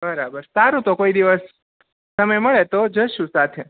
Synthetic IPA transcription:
bəɾabəɾt̪aɾũt̪okoid̪iʋəs | səməjməɭet̪od͡ʒəʃũsat̪ʰe

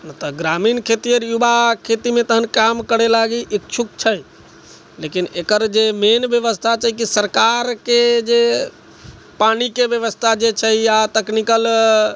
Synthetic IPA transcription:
nət̪əɡɾamiːnkʰet̪ijəɾjubakʰet̪imẽt̪əɦənkamkəɽelaɡiʔikt͡ʃʰukt͡ʃʰəj | lekinekəɾd͡ʒemenbjəʋəst̪ʰat͡ʃəikisəɾkaɾked͡ʒe | panikeʋjəʋəst̪ʰad͡ʒet͡ʃʰəijat̪əknikəl

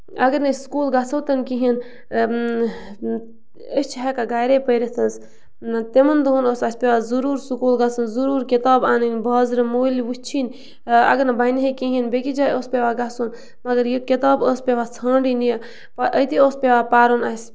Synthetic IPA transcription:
ɐɡəɾnɐskuːlɡat͡sʰɐwt̪ɐnkiɦin | əst͡ʃʰɦekaɡaːjɾeːpəjɾet̪ʰɐns | t̪emɐnd̪uɦunoːsɐsʲpʲeʋaːzuɾuːɾsukuːlɡɐt͡sʰunzuɾuːɾkit̪aːbaːnɨnbaːzɾɐmoːliʋut͡ʃʰin | ɐ̰ɡəɾnɐbɐjniɦikĩɦinbekid͡ʒaːjoːspeʋaːɡasun | mɐɡəɾjikit̪aːbəːspʲeʋaːt͡sʰɐ̃ːɳɖinij | paʔəjt̪ioːspʲeʋaːpaːɾonɐsʲ

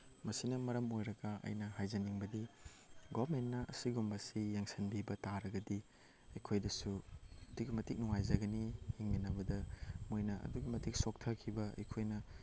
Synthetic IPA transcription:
mɐsinɐmɐɾɐmojɾɐɡɐɐ̰jnɐɦajzɐniŋbɐdi | ɡobɐmentːɐʔɐ̰siɡumbɐsijaŋsɐnbibɐtaɾɐɡɐdi | ɐjkʰojdɐsudukɡmɐtik̚nuŋajzɐɡɐniheŋminɐbɐdɐmojnɐɐ̰duɡimɐtik̚sok̚tʰɐkʰibɐɐ̰jkʰojnɐ

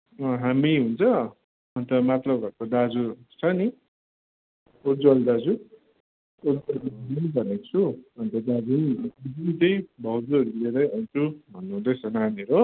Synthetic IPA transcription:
ʌ̃ɦamiɦunt͡sʰʌ | ʌnt̪ʌmat̪lʌbbʱʌkod̪ad͡zut͡sʰʌni | uɾd͡zwʌld̪ad͡zu | oɾd͡zʌlbibinʌnibʱʌnekt͡sʰuʌnt̪ʌd̪ad͡zunibibʱint̪ʌjbʱʌwd͡zuʌɾuled̪ʌjʌnt͡sʰubʱʌnːuɦũd̪ʌjt͡sʰʌnɦamiɾo

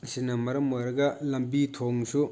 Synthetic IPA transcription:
sinɐmɐɾɐmojɾɐɡɐlɐmbit̪ʰoŋsu

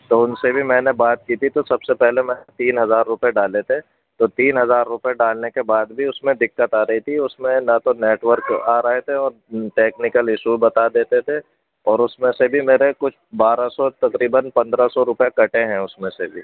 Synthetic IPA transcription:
t̪oʊnsebʱimɛ̃ːnebaːt̪̚kiːt̪ʰit̪osɐbsepɛɦlemɛ̃ːet̪iːnɦɐzaːɾːʊpeɖaːlet̪ʰe | t̪ot̪iːnɦɐzaːɾːʊpeɖaːlnekebaːd̪bʱiʊsmẽd̪ɪkːət̪aːɾɐɦit̪ʰiʊsmẽnat̪oneːʈʋəɾkaːɾɐɦet̪ʰeɔːɾʈeːknɪkəlɪʃubɐt̪ad̪eːt̪et̪ʰe | ɔːɾʊsmẽsebʱimeːɾekʊt͡ʃʰbaːɾasɔt̪ɐkɾiːbənpɐ̃nd̪ɾasɔɾʊpjakɐʈeɦɛ̃ʊsmẽsebʱi

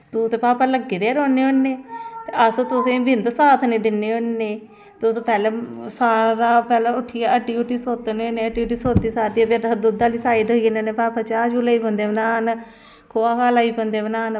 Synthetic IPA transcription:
t̪uːt̪eːpaːpaləɡːeɾeːɾoːneːonːeːt̪eəst̪ʊsẽbɪnd̪saːt̪ʰneːd̪ɪnːeːonːeː | t̪ʊspɛːlɛːsaːɾaːpɛːlɛːʊʈʰːiːaːəʈːiːʊʈiːsoːt̪neneːəʈiːʈiːsoːt̪ːiːsaːt̪iabed̪d̪ʊd̪aːliːsaːɪɖɦoːineneːpaːpat͡ʃaːd͡ʒuːlaːiːpõnd̪eːbənaːn | kʰoːaːkaːlaːipõnd̪eːbənaːn

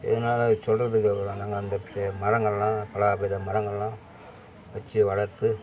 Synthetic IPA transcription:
ɛ̰ðɐnaːlɐsɔlrɐðɯkːɐpɾõːnãːŋɡɐɐnd̪ɐpɪɾmɐɾɐŋɡɐɭlãːpɐɭɐːbeðɐmɐɾɐŋɡɐɭlãː | ʋɐt͡ʃːɯʋɐɭɐɾt̪ːɯ

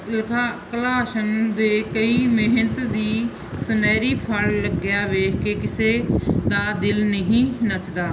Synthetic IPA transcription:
lkʰaːkəlaːʃənd̪eːkəiːmɪɦnət̪d̪iː | sənɛːɾiːpʰəlləɡɪjaːʋeːkʰkeːkɪseːd̪aːd̪ɪlnəɦĩːnət͡ʃd̪aː

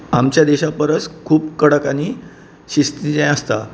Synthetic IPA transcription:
amt͡ɕjad̪eɕapəɾət͡skʰuːpkəɽəkaniː | ɕist̪id͡zãj̃əst̪a̰

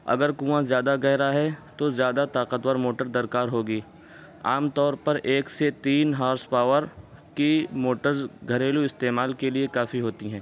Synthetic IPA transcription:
ɐ̰ɡəɾkũːãzjaːd̪aɡɛɦɾaɦɛt̪ozjaːd̪at̪aːqət̪wəɾmoːʈəɾd̪ɐɾkaːɾɦoːɡiː | aːmt̪ɔːɾpɐɾʔeːkset̪iːnɦaːɾspaːʋəɾkimoːʈəɾzɡʱɐɾeːluɪst̪eːmaːlkeliekaːfiɦoːt̪iɦɛ̃ː

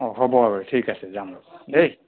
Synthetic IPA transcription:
ɔɦɔbɔabɔtʰikasɛzamɔɔej

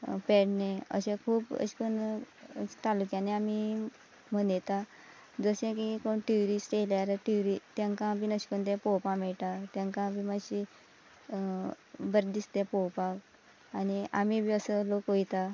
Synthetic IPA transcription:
peɽneə̰ɕẽkʰuːpə̰ɕkəɳ | t̪alukjãneami | m̤ənjet̪a | d͡zəɕẽkikoɳʈiuɾisʈeljaɾaʈiɾit̪jãŋkãpiːnəɕkunt̪̬ẽpɔwpãmɛɭʈat̪jãŋkãpimaɕi | bəɾd̪ist̪epɔwpak | añiamibʱiəsəlokɦojt̪a

